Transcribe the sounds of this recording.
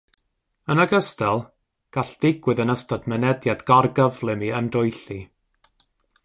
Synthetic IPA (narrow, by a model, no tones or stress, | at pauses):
ənəɡəstɛlˠ | ɡ̥aɬðɪɡwɪðənəstɔdmɛnɛdjadɡarɡəvlˠɪmiəndʊjɬi